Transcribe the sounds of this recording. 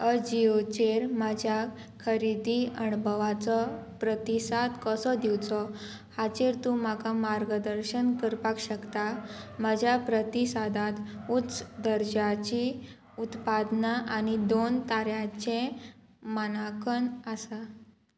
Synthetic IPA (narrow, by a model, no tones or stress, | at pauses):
əd͡ʑiot͡ɕeɾmad͡ʑʱja | kʰəɾid̪iəɳbʱəʋat͡sɔpɾət̪isad̪kəsɔd̪iwt͡sɔ | hat͡ɕeɾt̪ũm̤akamaɾɡəd̪əɾɕənkəɾpakɕəkt̪aməd͡ʑʱjapɾət̪isad̪at̪utt͡sd̪əɾd͡ʑat͡ɕi | ut̪pad̪naʔanid̪ont̪aɾjat͡ɕẽ | mənakənasa